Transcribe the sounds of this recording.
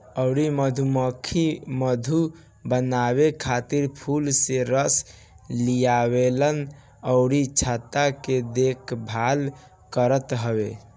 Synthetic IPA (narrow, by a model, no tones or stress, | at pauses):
əʊɽiməd̪ʱuməkʰːiməd̪ʱu | bənaβekʰat̪iɾpʰulseɾəs | lijabelən | əʊɽit͡ʃʰat̪aked̪ekʰbʱal | kəɾət̪ɦəbe